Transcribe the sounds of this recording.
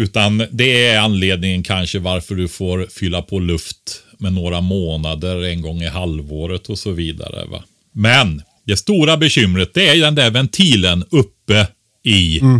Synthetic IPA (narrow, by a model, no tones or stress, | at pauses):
ʉ̟ːt̪and̪ɛæanleːd̪nɪŋənkʰanʂəvaɾfœɖɵfoːɾfʏlːapʰɔlɵft̪ | mɛnoːɾamoːnad̪əɾɛnɡɔŋːɪhalvoːɾət̪ʰɔsɔviːd̪a̰ɾə̰va̰ | mɛn | d̪ɛst̪uːɾabɛɕʏmːɾət̪̚d̪ɛæɾjd̪ɛnd̪æɾvɛnt̪ʰiːlənɵpːə | ɪ